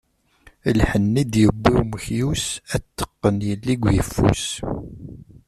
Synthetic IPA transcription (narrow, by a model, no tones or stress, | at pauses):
lħənːid̪jəbːiwməçjusæt̪ːə̥qːənjəlːiɡʷjəfːṵs